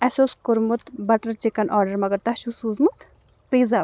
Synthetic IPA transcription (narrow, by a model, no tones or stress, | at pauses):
ɛsoːskʊɾmut̪bɐʈɐɾt͡ʃikɐnʔɔːɾɖəɾmɐɡɐɾt̪ɐʃusuːzmut̪ | piːza